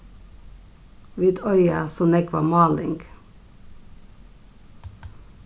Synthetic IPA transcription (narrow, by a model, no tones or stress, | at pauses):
ʋiːd̪œʏəsɔnɛɡʋɑ̰ːmɑːlɪŋɡ